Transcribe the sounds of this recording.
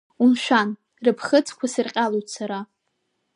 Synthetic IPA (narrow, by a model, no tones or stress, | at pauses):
unʃᶣan | rɨpʰχət͡sʰʼkʷʰasɨrqʲʼalojtʰʼsaɾa